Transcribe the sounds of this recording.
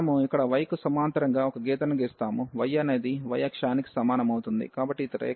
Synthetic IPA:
muikːɐɽɐʋɐjɐkusɐmaːnt̪ɐɾɐŋɡaːɔkɐɡɛːt̪ɐnuɡeːst̪aːmuʋɐjɐne̞ːd̪iʋɐjɐkʂaːniki̥sɐmaːnɐmɐwut̪und̪ḭkaːbɐʈːit̪ɐɾɐ̰

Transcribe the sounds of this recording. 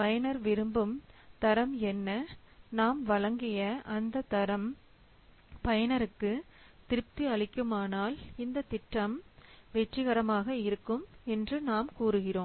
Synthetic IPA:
pɐjɐnɐɾʋɪɾɯmbɯmt̪ɐɾɐmɛnːɐ | naːmʋɐɭɐŋɡɪjɐʔɐnd̪ɐt̪ɐɾɐm | pɐjɐnɐɾɯkːɯ | t̪ɪɾɯp̚t̪iɐɭɪkːɯmaːnaːlɪnd̪ɐt̪ɪʈːɐmʋɛʈːɪɣɐɾɐmaːɣɐɪɾɯkːɯmɛndrɯnaːmkuːɾɯɣɪroːm

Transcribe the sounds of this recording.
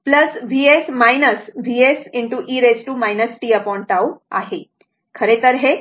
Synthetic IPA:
pləsʋiesmajnəsʋiesɪɳʈuʔiɾesʈumajnəsʈiəpɔɳʈawa̰ɦe | kʰəɾet̪əɾɦe

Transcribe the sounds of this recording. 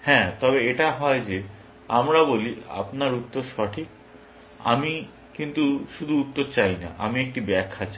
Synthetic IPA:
hɛ̃t̪ɔbeeʈaɦɔed͡ʑe | amɾabolia̰pnaɾut̪ːoɾʃɔʈʰik̚ | a̰mi | kint̪uʃud̪ʱuut̪ːoɾt͡ɕajna̰ʔa̰miek̚ʈibɛkʰːat͡ɕa

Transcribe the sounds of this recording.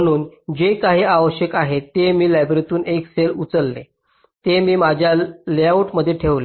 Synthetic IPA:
ɽ̃uːnd͡ʑekaɦiːaʋəɕjəkaɦet̪ːemiːlæbɾit̪uːnekselut͡səlːe | t̪emiːmad͡ʑʱjaljwʈməd̪ʱːjeʈʰeʋle

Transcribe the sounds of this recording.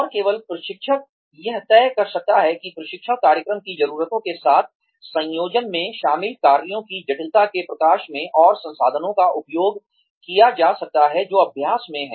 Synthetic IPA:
ɔːɾkeːʋəlpɾɐʃɪkʃʰət̪̚ | jɐɦt̪ɛːkɐɾsɐk̚t̪aɦɛkipɾɐʃɪkʃʰəkaːɾjəkɾəmkizɐɾuːɾət̪õkesaːt̪̚ʰ | sɐ̃jjoːd͡ʒənmẽʃaːmɪlkaːɾijõkid͡ʒɐʈɪlt̪akepɾɐkaːʃmẽʔɔːɾsɐ̃nsaːd̪ʱənõkaʔʊpjoːɡ | kijad͡ʒaːsɐk̚t̪aɦɛd͡ʒoːɐbʱjaːsmẽɦɛ̰̃ː

